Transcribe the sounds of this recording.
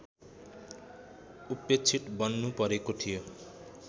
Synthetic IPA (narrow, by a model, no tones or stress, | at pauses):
upːet͡sʰiʈbʌnːupʌɾekoʈʰijo